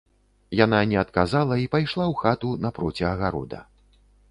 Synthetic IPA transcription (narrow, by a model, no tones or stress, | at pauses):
jananʲɛɐt̪̚kazalˠɐipajʂlˠawxat̪unɐpɾɔt͡sʲiɐɣaɾɔ̰d̪ɐ̰